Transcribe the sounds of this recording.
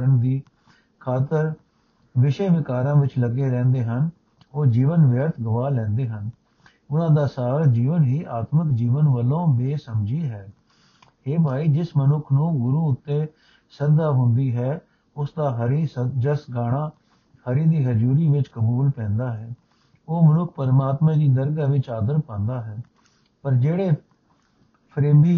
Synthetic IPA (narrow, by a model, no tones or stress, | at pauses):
ənd̪iː | kʰaːt̪əɾ | ʋɪʃeːʋɪkaːɾãːʋɪt͡ʃləɡeːɾɛ̃ːnd̪eːɦən | oːd͡ʒiːʋənʋjəɾt̪ʰɡəʋaːlɛ̃ːnd̪eːɦən | ʊnãːd̪aːsaːɾd͡ʒiːʋənɦiːʔaːt̪məkd͡ʒiːʋənʋəlõːbeːsəmd͡ʒiːɦɛː | heːbʱaːiːd͡ʒɪsmənʊkʰnũːɡʊɾuːʊt̪ːeː | səɾd̪aːɦʊ̃nd̪iːɦɛː | ʊsd̪aːɦəɾiːsəd͡ʒəsɡaːɽ̃aː | həɾiːd̪iːɦəd͡ʒuːɾiːʋɪt͡ʃkəbuːlpɛ̃ːnd̪aːɦɛː | oːmənʊkʰpəɾmaːt̪mãːd͡ʒ̪iːd̪əɾɡaːʋɪt͡ʃaːd̪əɾpãːnd̪aːɦɛː | pəɾd͡ʒeːɽeː | pʰɾeːmbiː